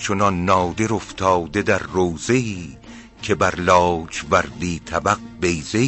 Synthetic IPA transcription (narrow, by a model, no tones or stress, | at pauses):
t͡ʃʰonɒnːɒːd̪e̞ɾoft̪ʰɒːd̪e̞d̪æɾːoːze̞iː | cʰe̞bæɾlɒːt͡ʃvæɾd̪iːt̪ʰæbæqbe̞jze